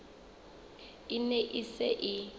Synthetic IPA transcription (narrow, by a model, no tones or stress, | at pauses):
ɪneʔisɛʔɪ